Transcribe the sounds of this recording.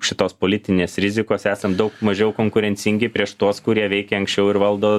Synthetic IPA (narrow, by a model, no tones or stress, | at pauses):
ʃʲɪt̪oːspoːlʲɪt̪ʲɪnʲeːsɾʲɪzʲɪkoːsæːsɐmd̪ɐʊkmɐʒʲɛʊkoːŋkʊɾʲɛnʲsʲɪŋʲɡʲɪpʲɾʲiɛʃt̪uɔskʊɾʲiɛʋʲɛɪkʲeːɐŋksʲt͡ʃʲɛʊɪɾʋɐlˠd̪oː